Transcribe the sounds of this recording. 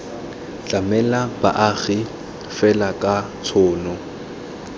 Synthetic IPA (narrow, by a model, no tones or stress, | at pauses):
t͡ɬʼamɛlaba̰ʔaɣɪ | fɛlakʼa | t͡sʰʊːnɔ